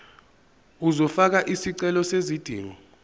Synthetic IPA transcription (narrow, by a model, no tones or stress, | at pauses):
uzɔfak̬aʔisiǀɛlɔsezid̥ʱḭːwɔ